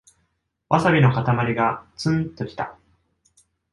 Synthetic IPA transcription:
βʔasabʲino̞kat̪amaɾʲiɡat͡sɨ̃nt̪okʲi̥t̪a

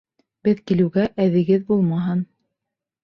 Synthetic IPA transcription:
b̥ɘðkilɘ̆wɡæʔæðɘ̆ɡɘðbulˠmɑɦɤn

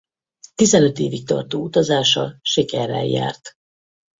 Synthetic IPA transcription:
t̪izɛnø̞t̪eːvik̚t̪ɒ̰rt̪oːut̪ɒzaːʃɒʃikɛrɛ̰lja̰ːrt̪

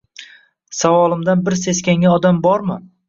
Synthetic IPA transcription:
savɒlˠɪmd̪anbɪɾse̞skʲaŋɡʲaɒd̪ambɒɾmɪ

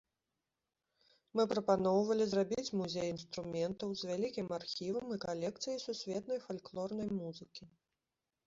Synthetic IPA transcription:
mɨpɾɐpanɔwvɐlʲizrabʲit͡sʲmuzʲejinst̪ɾumʲɛnt̪ɐwzʲvʲalʲikʲimarxʲivɐmikalʲɛk̚t̪sɨjɐjsusʲvʲɛt̪nɐjfalʲklˠɔrnɐjmuzɨkʲi

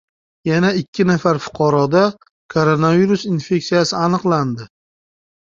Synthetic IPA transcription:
janaɪkʲʰːɪnafaɾfʊ̥qʰɑɾɒd̪a | kʰoɾonaviɾusinfʲe̞ksijasɪanɨqlˠand̪ɪ

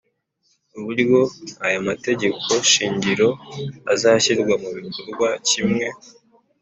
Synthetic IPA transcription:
uβuɾɡo̞ajamate̞ɟe̞kʰo̞ʃiːɲɟiɾo̞azaçiɾɡwamuβikʰoɾɡwacimŋe̞

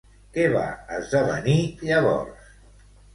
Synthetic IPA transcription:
kɛβa̰əzðəβə̰niʎəβɔ̰ɾs

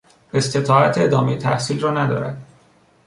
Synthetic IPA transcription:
e̞st̪ʰe̞t̪ʰɒːæt̪ʰeeːd̪ɒːme̞jet̪ʰæhsiːlrɒːnæd̪ɒ̰ːɾæ̰d̪

